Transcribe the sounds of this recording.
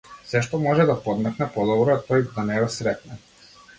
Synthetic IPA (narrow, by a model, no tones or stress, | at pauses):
sɛʃt̪ɔmɔʒɛd̪apɔd̪mɛknɛpɔd̪ɔbɾɔat̪ɔjd̪anɛɡɔsɾɛt̪nɛ